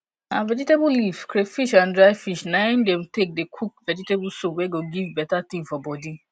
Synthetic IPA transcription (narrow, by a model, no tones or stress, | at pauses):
ãvɛd͡ʒitebulifkɾefiʃãndɾaɪfiʃnãɪ̃ndɛ̃mtek̚dekʰuk̚vɛd͡ʒitebusowɛɡoɡivbɛtat̪ĩŋfɔbɔdi